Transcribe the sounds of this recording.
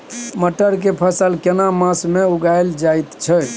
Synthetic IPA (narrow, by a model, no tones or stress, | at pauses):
məʈəɾkepʰəsəlkenamãsmeuɡajld͡ʒajt̪t͡ʃʰə